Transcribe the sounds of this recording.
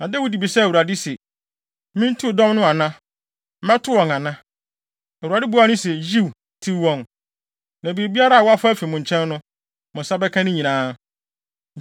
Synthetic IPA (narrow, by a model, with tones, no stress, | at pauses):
nã˨de˦wu˦di˨bi˨sɛ˦æ˨wu˨ɾa˨dɪ˦sɛ˨˦ | mĩ˦n̩˦tʰu˦˨dɔ̃˦mnʊ̃˦a˨nã˦ | mɛ̃˦tʰʊ˦wɔ̃˨ŋã˨nã˦ | æ˨wu˨ɾa˨dɪ˦bu˨˦a˦nʊ̃˦sɛ˨ji˦w | tʰi˦wɔ̃˨n | nã˨bi˨e˨bi˦a˦ɾa˦a˨wɔ˦a˦fa˦fi˨mʊ̃˨ɲ˨t͡ɕʰɛ̃˦nː˦ʊ̃˦ | mʊ̃˨sa˦bɛ˦kʰã˦nɪ̃˦ɲĩ˨nãː˦